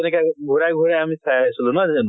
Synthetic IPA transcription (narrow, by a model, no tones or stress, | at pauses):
ɛnɛkaɡʱuɹajɡʱuɹajamisajasilunazen